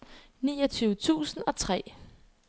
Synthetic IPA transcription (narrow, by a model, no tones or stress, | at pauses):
niːɒt͡sʰyːʊt͡sʰṵːsn̩ɒ̽t͡sʰʁɛ̰